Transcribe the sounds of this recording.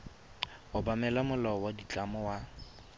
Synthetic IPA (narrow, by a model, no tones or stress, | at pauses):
ʊbamɛlamʊlɔwadit͡ɬʼamɔwa